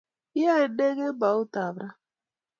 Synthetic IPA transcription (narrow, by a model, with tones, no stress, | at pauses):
a˦e˨de˦ɣe˦ba˨ʊ˦ta˨bɾa˦